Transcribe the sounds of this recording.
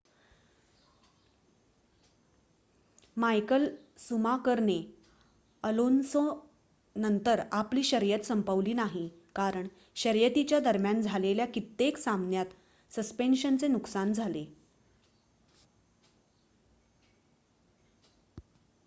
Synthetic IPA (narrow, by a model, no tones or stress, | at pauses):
majkəlsumakəɾne | əlonso | nənt̪əɾapliːɕəɾjət̪səmpəʋliːnaɦi | kaɾəɳ | ɕəɾjət̪it͡ɕjad̪əɾmjand͡zʱaleljakit̪ːeksamnjat̪ | səspenɕənt͡senuksand͡zʱale